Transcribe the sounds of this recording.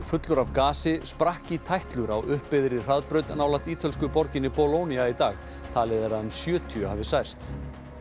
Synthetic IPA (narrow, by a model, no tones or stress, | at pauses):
fʏt̪lʏɾavkaːsɪspɾahcit̪ʰajht̪lʏɾawʔʏhpːɪðɾɪ̥r̥aðpɾœɥt̪naːwlaht̪iːt̪ʰœls̬kʏpɔɾcɪnːɪpɔlowniait̪aːx | t̪ʰaːlɪðeɾaʏmsjœːt̪ʰyahavɪsajr̥st̪